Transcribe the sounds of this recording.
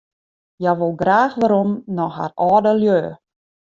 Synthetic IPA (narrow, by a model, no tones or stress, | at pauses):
jaʋolˠɡraːxʋaɾomnɔxɦa̰rʔɔːdəljøː